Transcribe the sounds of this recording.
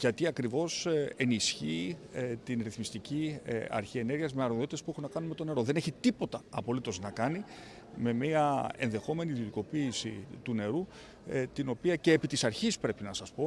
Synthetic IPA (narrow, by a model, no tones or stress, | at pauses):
ʝɐt̪iɐkɾivo̞se̞nisçit̪inɾiθmist̪iciɐ̰ɾçie̞ne̞ɾʝiɐzmeɐɾoðo̞t̪it̪e̞spuexunɐkɐnunmet̪o̞ne̞ɾo̞ðe̞neçit̪ipo̞t̪ɐɐpo̞lit̪o̞znɐkɐni | me̞miɐe̞̰nðe̞xo̞me̞niðio̞t̪iko̞piːsḭt̪une̞ɾu | t̪ino̞piɐce̞ːpit̪isɐɾçispɾe̞pinɐsɐspo̞